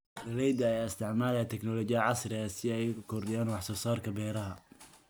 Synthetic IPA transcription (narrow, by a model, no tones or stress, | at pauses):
rɐlɛjd̪ɐɛjɐst̪ʰɪʕmaːlɛt̪ʰɛknɔlɔːt͡ʃɪɐʕɑsrɪɐsɪɛjʊkʰɔrd̪ɪjaːnwɑħsɔːsaːrkʰɐbɛːɾɐɦɐ